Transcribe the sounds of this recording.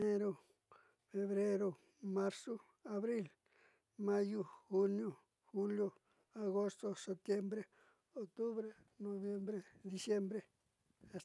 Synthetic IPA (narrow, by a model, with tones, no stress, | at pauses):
e˦ɾo˦ | fe˧βɾe˦ɾo˧ | ma˦ɾso˦ | a˧βɾi˦l | ma˦ju˦xu˦njo˦ | xu˦ljo˧ | a˨ɣo˦st̪o˦se˨p̚t̪je˦mbɾe˦˨ | o˨k̚t̪u˦βɾe˦ | no˨˧βje˦mbɾe˦d̪i˧sje˦mbɾe˦ | a˨s